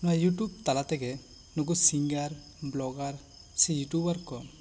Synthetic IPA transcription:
nɔwajuʈub̚t̪alat̪ɛɡɛ | nuɡusiŋɡaɾ | blɔɡaɾ | sɛjuʈubaɾkɔm

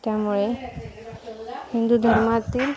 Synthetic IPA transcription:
tamɔɹɛ | hindud̪ʱɔɹmatːil

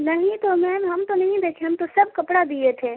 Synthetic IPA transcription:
nɐɦĩt̪omɛ̃ːnɦɐmt̪onɐɦĩd̪eːkʰeɦɐmt̪osɐb̚kɐpɽad̪iet̪ʰeː

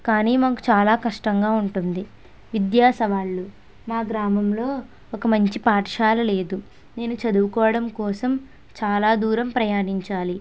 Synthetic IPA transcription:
kaːniːmaːku̥t͡ʃaːlaːkɐʂʈɐŋɡaːuɳʈund̪i | ʋid̪jaːsɐʋaːɭːu | maːɡɾaːmɐmlo̞ː | ɔkɐmɐɲt͡ʃipaːʈʂaːlɐle̞ːd̪u | ne̞ːnut͡ʃɐd̪uʋukɔːʋɐɽɐmkɔːsɐm | t͡ʃaːlaːd̪uːɾɐmpɾɐjaːniɲt͡ʃaːli

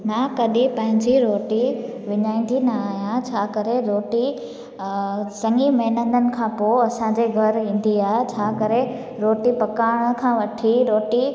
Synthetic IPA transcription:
mãːkɐɗipɐ̃ɦɪ̃ɲd͡ʑiɾoːʈi | ʋɪɲaːĩːn̆d̪inɐaːɦijãt͡ɕʰaːkɐɾeɾoːʈi | sɐ̃ŋimɐɦnə̃nd̪ənɪ̆kʰãːpoɐsãɲd͡ʑeɡʱɐɾĩːn̆d̪iaːɦet͡ɕʰaːkɐɾe | ɾoːʈipɐkaːɽ̃kʰãːʋɐʈʰiɾoːʈi

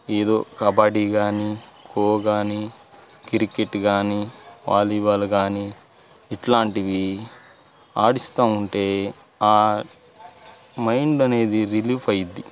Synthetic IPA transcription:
eːd̪o̞̰ːkɐbaːɖiɡaːnikʰoːɡaːnikiɾikeʈːɡaːniʋa̰ːliʋaːluɡaːniː | ʈlaːɳʈiʋi | aːɽist̪aːmuɳʈe̞ː | aː | mɐjɳɖɐne̞ːd̪iɾiliːpʰɐjid̪ːi

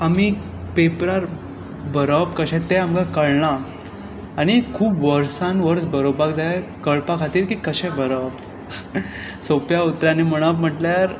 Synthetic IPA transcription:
ami | pepɾaɾ | bəɾəpkəɕɛ̃t̪eamɡakəɭɳaː | ɽ̃ikʰuːbʋəɾsãnʋəɾt͡sbəɾobakd͡zakəɭpakʰat̪iːɾkiːkəɕɛ̃bʱəɾəb | sopjaut̪ɾanim̤əɽ̃apm̤əʈljaɾ

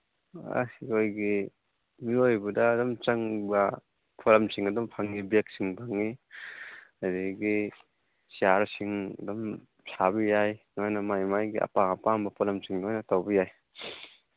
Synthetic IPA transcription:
a̰siojɡi | miojbudɐːdɔmt͡ʃɐŋbɐ | pʰolɐmsiŋɐdɔmpʰaŋːibek̚siŋpʰaŋːi | adeɡi | siaɾsiŋɐdɔm | sʰabijajnajnɐmajmajɡiʔɐ̰paŋapaŋbɐpʰɔlɐmsiŋdojnɐtawbijaj

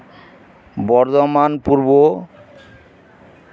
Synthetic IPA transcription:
bɔɾd̪omanpuɾbo

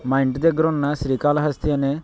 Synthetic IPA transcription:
mɐjɳʈd̪ɛɡːɐɾunːɐsɾiːkaːlɐɦɐst̪ʰijɐne

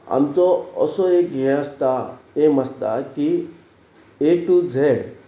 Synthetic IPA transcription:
a̰mt͡soɔ̰soekẽast̪aemɐst̪a̰ki | eʈud͡zʱe

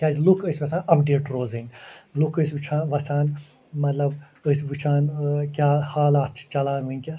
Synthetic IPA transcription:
kʲaːzlukʰəsʲʋɐsʲaːnɐpɖeːʈɾoːzɨnlukəsʋɨt͡ʃʰaːnʋɐsaːn | mɐt̪lɐb | əsʲʋɨt͡ʃʰaːnkʲaːhaːlaːt̪̚t͡ʃʰt͡ʃɐlaːnunʲkʲas

